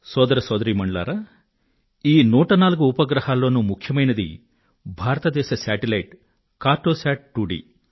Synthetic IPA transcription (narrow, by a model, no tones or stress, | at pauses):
sɔːd̪ɐɾɐsɔːd̪ɐɾiːmɐɳla̰ːɾa | iːnuːʈɐnaːluɡuːpɐɡɾɐhaːlːo̞ːnumukʰjɐmɐjnɐd̪ḭ | bʱaːɾɐt̪ɐd̪ɛːʃɐsaːʈilɐjʈ | kaːɾʈːoːsaːʈ̚ʈuːɖḭː